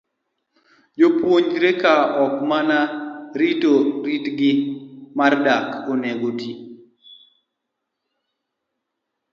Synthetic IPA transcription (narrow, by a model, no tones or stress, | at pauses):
d͡ʒopwoɲɾekaɔkmanaɾitoɾitɡɪmardakoneɡoti